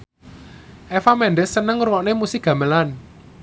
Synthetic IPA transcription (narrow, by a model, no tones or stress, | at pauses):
ʔɛfamɛnɖəsːənəŋurwɔʔnemusɪɡ̥ä̤məlan